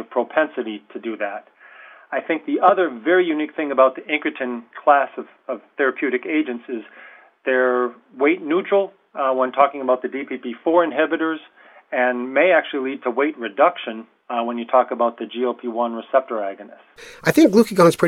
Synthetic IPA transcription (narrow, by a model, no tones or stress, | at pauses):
ʌv̥pʰɹ̥oʊpʰɛ̃nsɨɾiɾɨdɨðæɾ | aɪθɪ̃ŋk̚ðiʔʌðə˞vɛɹijʉnik̚θɪ̃ŋɨbaʊt̪̚ðiɪ̃ŋkɹɨtʰɨ̃nkʰl̥æsʌv̥ʌv̥θɛɹɨpʰj̥ʉɾɨkeɪd͡ʒɨ̃ntsɪz | ðə˞ | weɪtⁿnut͡ʃɹ̥l̩ˠ | wə̃ntʰɔkɪ̃ŋəbaʊt̪̚ðɨdipʰipifɔɹɨ̃nɦɛbɨɾə˞z | ɨ̃nmeɪæk̚t͡ʃʉl̩ˠilid̚tʰəweɪt̚ɹɨdʌkʃɨ̃n | wə̃njɨtʰɔkəbaʊt̪̚ðɨd͡ʒioʊpʰiwʌ̃nɹɨsɛp̚tə˞æɡɨnɨsʔaɪθɪ̃ŋklukiɡɑ̃ŋz̥pʰɹ̥ɪ